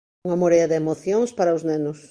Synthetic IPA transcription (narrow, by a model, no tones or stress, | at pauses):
ŋɐmoɾejɐðɪemoθjoŋspaɾɐʊznenʊs